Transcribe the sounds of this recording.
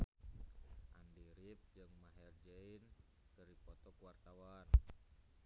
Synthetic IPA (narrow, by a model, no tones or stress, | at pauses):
ʔandiɾip̚d͡ʒɨŋmaɦɛrd͡ʒɛin | t̪əripɔt̪ɔkuwart̪awan